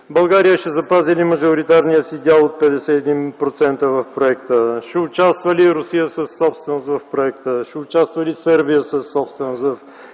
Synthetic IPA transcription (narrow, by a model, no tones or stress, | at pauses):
bɐlˠɡaɾijəʃɛzɐpazilimɐʒoɾit̪aɾnijəsiɡ̪ʲalˠot̪̚pɛd̪ɛsɛɛd̪inpɾot̪sɛnt̪əvɐfpɾoɛkt̪əʃɛʊt͡ʃast̪vəliɾʊsijəsəsːɔpst̪vɛnost̪vɐfpɾoɛkt̪əʃɛʊt͡ʃast̪vəlisɤɾbijəsəsːɔpst̪vɛnosvɐf